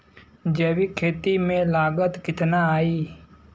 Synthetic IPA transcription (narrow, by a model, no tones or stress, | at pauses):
d͡ʒeːwikʰeːt̪imẽlaːɡət̪kɪt̪naaːiː